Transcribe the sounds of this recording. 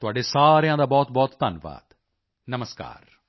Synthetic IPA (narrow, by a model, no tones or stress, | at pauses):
t̪ʊaːɖesaːɾjãd̪abɔːt̪bɔːt̪d̪anʋa̰ːd̪̥ | nɐməska̰ːɾ